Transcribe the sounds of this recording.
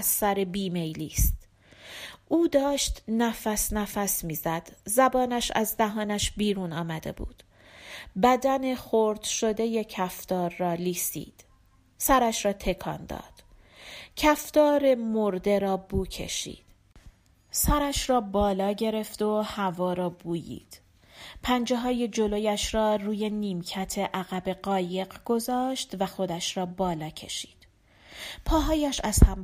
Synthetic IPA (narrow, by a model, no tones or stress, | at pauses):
zsæɾebiːme̞jliːst̪ | ʔuːd̪ɒːʃt̪næfæsnæfæsmiːzæd̪̥zæbɒːnæʃæ̰zd̪æɦɒːnæʃbiːɾuːnɒːmæd̪e̞̰bṵːd̪̥ | bæd̪æne̞χoɾd̪̥ʃo̞d̪e̞je̞cʰæft̪ɒːɾːɒːliːsḭːd̪̥ | sæɾæʃɾɒːt̪ʰe̞kʰɒ̰ːnd̪ɒ̰ːd̪̥ | cʰæft̪ɒːɾe̞moɾd̪e̞ɾɒːbuːcʰe̞̰ʃḭːd̪̥ | sæɾæʃrɒːbɒːlɒːɟe̞ɾe̞fd̪ohævɒːɾɒːbuːjḭːd̪̥ | pʰænd͡ʒeɦɒːjed͡ʒo̞lo̞jæʃɾɒːruːje̞niːmcʰæt̪ʰe̞ʔæɣæbe̞ɢɒːje̞ɢɡ̥o̞zɒːʃt̪væxo̞d̪æʃɾɒːbɒːlɒːcʰe̞̰ʃi̥ːd̪̥ | pʰɒːɦɒːjæʃæz̥hæm